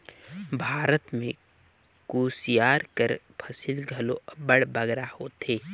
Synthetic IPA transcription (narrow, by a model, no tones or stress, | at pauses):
bʱaːɾət̪mẽ | kuːsijaːɾkəɾ | pʰɐsɪlɡʱɐlobɐɽbɐɡɾahoːt̪eː